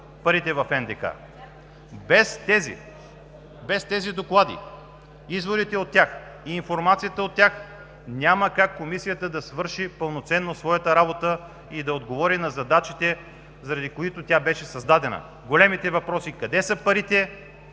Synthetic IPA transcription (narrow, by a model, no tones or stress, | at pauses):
pɐɾit̪ɛvɐfɛnd̪ɛka̰ | bɛst̪ɛzḭ | bɛst̪ɛzid̪oklˠad̪ḭ | izvoɾit̪ɛot̪ʲːjax | iːnfoɾmat̪sijət̪əot̪ːʲjax | nʲaməkakːomisijət̪əd̪ɐsvɤɾʃipəlˠnot̪sɛnːosvɔjət̪əɾabot̪ə | id̪ɐod̪ɡovɔɾinɐzɐd̪at͡ʃit̪ɛ | zɐɾɐd̪ikoit̪ot̪ʲabɛʃɛsɐzd̪ad̪ɛnə̰ | ɡolɛmit̪ɛvɐpɾɔsikɐd̪ɛsəpɐɾit̪ɛ